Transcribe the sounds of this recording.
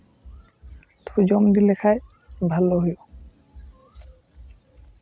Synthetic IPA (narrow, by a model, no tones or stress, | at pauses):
t̪ʰud͡ʑɔmd̪ilekʰaj | bʱalːoɦojo